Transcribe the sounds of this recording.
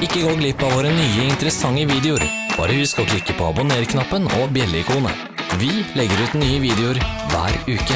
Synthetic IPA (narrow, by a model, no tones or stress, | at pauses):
ɪkːəɡoːɡlɪpːɑʋoːɾənyːəɪnt̪əɾəsɑŋːəʋiːd̪ɛʊɾ | b̥ɑ̰ːɾəʋɪskɑlkʰlɪkːəpʰɔɑ̰bʊneːɾkʰnɑpːənɔ̰bjɛlːəɪkʰuːnə̰ | ʋɪlɛɡːəɾʉːt̪nyːəʋiːd̪ɛʊɾʋæ̰ːɾʉːkə